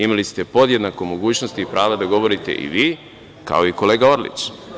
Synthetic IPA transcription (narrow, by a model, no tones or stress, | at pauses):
imalist̪e̞po̞d̪je̞d̪nako̞mo̞ɡuːt͡ɕnost̪iːpɾaːʋd̪ad̪aɡo̞ʋo̞ɾit̪ḛʔḭʋiː | ka̰o̞iko̞leːɡao̞ɾlḭt͡ʃ